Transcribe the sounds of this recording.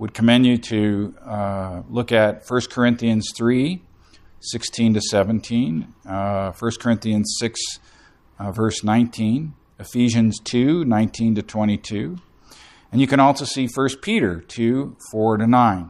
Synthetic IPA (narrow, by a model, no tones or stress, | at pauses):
wəd̚kʰəmɛ̃njɨɾɨ | lʊkɨtfɜ˞skʰə˞ɪ̃nθiɨ̃nz̥θɹi | sɪkstʰĩntɨsɛvɨ̃ntʰĩn | fɜ˞skʰə˞ɪ̃nθiɨ̃nz̥sɪks | vɜ˞snãɪ̃ntʰĩn | ɨfiʒɨ̃nz̥tʰʉnãɪ̃ntʰĩntɨtʰw̥ɛ̃ɾ̃itʰʉ | ɨ̃njɨkɨ̃ɾ̃ɔlˠsoʊsifɜ˞spʰiɾə˞tʰʉfɔɹɾɨnãɪ̃n